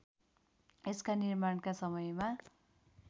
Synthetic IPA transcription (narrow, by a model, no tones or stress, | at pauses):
eskanirmaɳkasʌmʌjma